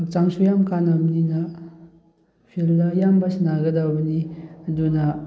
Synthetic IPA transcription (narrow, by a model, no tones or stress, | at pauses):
ɐk̚t͡ʃaŋsujamkanamninɐ | pʰilːɐjambɐsnaɡɐdawbɐnidunɐ